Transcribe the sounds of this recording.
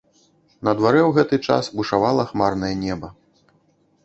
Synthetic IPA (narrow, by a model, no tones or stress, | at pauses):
nɐd̪vaɾɛwɣɛt̪ɨt͡ʂa̰sbuʂavalˠɐxmarnɐjɛnʲɛbɐ